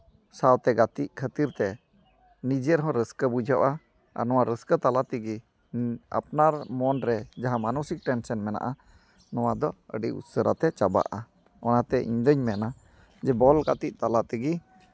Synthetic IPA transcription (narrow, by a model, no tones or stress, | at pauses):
sawt̪ɛɡat̪iʔkʰət̪iɾt̪ɛ | nid͡ʒɛɾɦɔ̃ɾəskəbud͡ʒʱɔʔa | a̰ɾnɔwaɾəskət̪alat̪iɡi | a̰p̚naɾmɔnɾɛd͡ʒaɦãmanusik̚ʈɛnsɛnmɛna̰ʔa | nɔwad̪ɔə̰ɖiʔṵt̪səɾat̪ɛt͡ʃaba̰ʔa | ɔnat̪ɛʔḭɲd̪əɲmɛna | d͡ʒɛbɔlɡat̪iʔ̚t̪alat̪ɛɡi